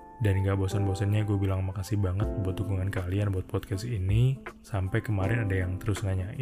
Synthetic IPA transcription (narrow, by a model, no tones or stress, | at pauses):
danŋɡabɔsanbɔsanɲakubilaŋmakasɪhbaŋət̪̚pəbuat̪dukuŋankalianbuat̪̚pɔt̪̚kɛsinisampajkəmaɾɪnadajaŋt̪əɾʊsŋaɲaʔ